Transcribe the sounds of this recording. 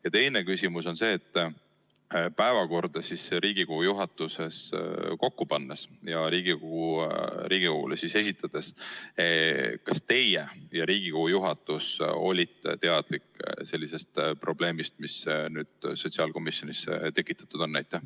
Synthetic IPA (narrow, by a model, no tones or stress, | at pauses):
jɑt̪e̞jne̞kysimuso̞nse̞ːt̪ːˑ | pæevɑko̞rd̪̥ɑsisɾiːɡ̥iko̞hujuɦɑt̪ːˑuse̞sko̞kːupɑnːesjɑɾiːɡ̥ikohuɾiːɡ̥ikohṵlesise̞sʲit̪ːˑɑd̪̥e̞s | kɑst̪e̞jejɑɾiːɡ̥ikohujuɦɑt̪ːˑuso̞̰lʲit̪t̪e̞ɑd̪̥likːse̞lʲːise̞st̪pro̞b̥le̞ːmist̪misnyːd̪̥so̞t̪ʲsiɑlko̞misjo̞nisḛt̪e̞kːˑit̪ːˑɑ̥t̪ːˑud̥̪o̞nːæjt̪ːˑe